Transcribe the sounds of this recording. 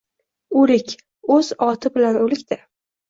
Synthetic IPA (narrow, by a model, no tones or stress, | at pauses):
ʊɾɪkʲ | ɵz̥ɒt̪ʰɪbɪlanolɪkʲd̪a